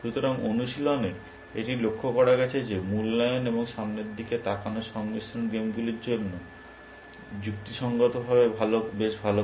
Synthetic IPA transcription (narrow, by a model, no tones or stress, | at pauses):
ʃut̪oɾaŋonuʃilone | eʈilokʰːokɔɾaɡɛt͡ɕʰed͡ʑemulːajoneboŋʃamneɾd̪iket̪akʰanoʃɔŋmisonɡemɡuliɾd͡ʑonːo | d͡ʑukt̪iʃɔŋɡot̪obʱaβebʱalobeʃbʱalo